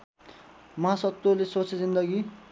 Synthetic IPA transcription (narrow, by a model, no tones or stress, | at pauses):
mʌɦasʌt̪ːolesot͡sʰezind̪ʌɡi